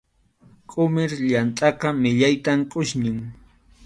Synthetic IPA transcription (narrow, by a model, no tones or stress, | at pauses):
kʼʊmɪɾʎant̪ʼɑqɑmɪʎajt̪amkʼʊʃnɪŋ